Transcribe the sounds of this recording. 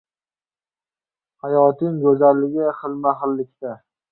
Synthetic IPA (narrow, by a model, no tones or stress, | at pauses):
hajɒt̪ʰɪŋɡɵzalːɪɡʲɪχɨlˠmaχɨlːɪkʲt̪a